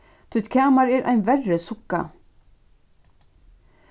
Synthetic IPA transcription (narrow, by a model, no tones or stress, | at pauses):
t̪ʰut̪kʰaːmaɾɛɾʔa̰jnvɛrːɛsʊkːa̰